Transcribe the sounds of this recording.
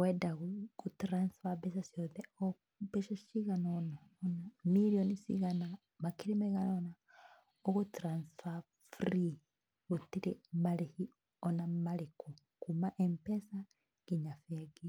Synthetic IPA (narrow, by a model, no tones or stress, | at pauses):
wɛdaɣukutɾansfabɛsasioðɛo | bɛʃasiɣanonaonamiɾionisḭɣana | makiɾimɛɣanona | oɣotɾansfa | fɾi | ɣutiɾemaɾehi | ɔnamaɾeku | kumaʔempɛsa | kiɲafɛɡi